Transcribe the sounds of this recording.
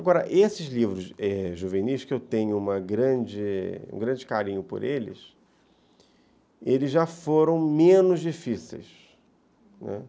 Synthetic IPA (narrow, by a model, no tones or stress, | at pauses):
aɡɔɾɐʔesɪzlivɾʊsɛʒuveniʃkɪewt̪ẽɲʊũmɐɡɾɐ̃d͡ʒɪṵ̃ɡɾɐ̃d͡ʒɪkaɾĩɲʊpʊ̰ɾʔelɪ̰s | elɪzʒafoɾɐ̃w̃mẽnʊzd͡ʒifisḛjs | nɛ̰